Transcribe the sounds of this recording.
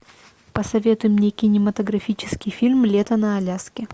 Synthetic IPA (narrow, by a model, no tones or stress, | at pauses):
pəsɐvʲe̞t̪ʊjɪmnʲekʲɪnʲɪmət̪əɡɾɐfʲit͡ɕɪ̥skʲɪjfʲilʲmlʲet̪ənəɐlʲaskʲɪ